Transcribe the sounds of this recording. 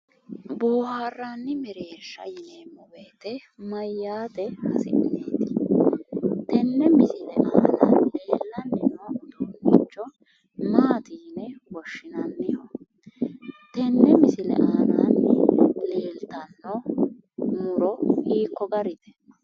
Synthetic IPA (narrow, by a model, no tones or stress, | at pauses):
bo̞ːhaːrːanːɪmɛɾeːʃːɐ̰jɪneːmːɔweːt̪ɛmɐjːaːt̪ɛhɐ̰sɪʔɪ̰neːt̪ɪ̥ | t̪ɛnːɛmɪsɪlɛʔaːnaːnle̞ːlːɐnːɪnod̪uːnːɪt͡ʃːɔ | maːt̪iːnɛwɔʃːɪnɐnːɪjɔ | t̪ɛnːɛmɪsɪlɛ̰ʔaːna̰ːnːɛ̰le̞ːlt̪ɐnːɔ | mʊɾɔiːkːɔɡɐɾɪt̪ɛ̥nːɐ̥